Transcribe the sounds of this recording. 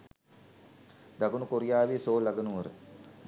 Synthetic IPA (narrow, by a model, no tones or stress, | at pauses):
d̪ɐɡunukoɾijaːʋisoːlːɐɡɐnuʋɐɾə̰